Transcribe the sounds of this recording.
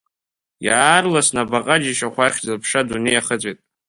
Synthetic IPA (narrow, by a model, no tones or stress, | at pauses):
jaːrlasnabaqʼad͡ʒiʃaχʷaχʲzlpʰʂadunejaχət͡sʷʼejtʼ